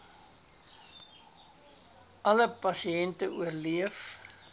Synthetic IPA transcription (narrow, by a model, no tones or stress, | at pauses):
ʔɐləpɐsiɛntəuərliəf